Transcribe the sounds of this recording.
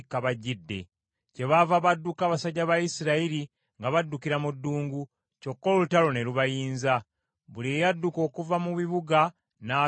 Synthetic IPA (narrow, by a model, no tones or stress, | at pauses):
kːaβaɟːidːe̞ | ce̞βavaβadːukaːβasaɟːaβajisiɾaiɾi | ŋɡaβadːukiɾamudːuːŋɡu | co̞kːololutalo̞ne̞luβajiːnza | βulijadːuko̞ːkuvamuβiβuɡa | na